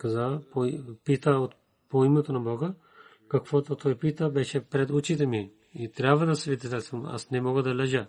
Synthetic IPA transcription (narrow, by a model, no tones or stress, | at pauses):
kazapoipit̪aot̪ | poimɛt̪onabɔɡə | kakvɔt̪ot̪ʰɔjpit̪abɛʃɛpɾɛd̪ut͡ʃit̪ɛmi | it̪ɾʲabvad̪asɛvid̪ɛzɛsuma̰snɛmɔɡad̪alɛʒa